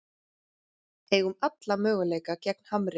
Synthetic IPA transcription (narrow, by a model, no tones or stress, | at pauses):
eːɣʏmat̪lamœːɣʏleːjkacɛk̚n̥hamɾɪ